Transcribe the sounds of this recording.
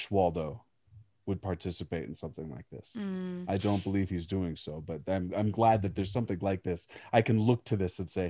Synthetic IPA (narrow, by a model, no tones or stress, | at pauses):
ʃwɑlˠdoʊ | wəd̚pʰɑɹtʰɪsɨpeɪɾɨn̩sʌ̃mθɪ̃ŋla̰ɪk̚ðɪ̰saɪdõʊ̃nb̥əliv̥hizdʉɪ̃ŋsoʊbʌt̚ãɪ̃mãɪ̃mɡlæd̪̚ðɨt̪̚ðə˞z̥sʌ̃mθɪ̃ŋlaɪk̚ðɪsaɪkɨ̃nlʊk̚tʰɨðɪsɨ̃nseɪ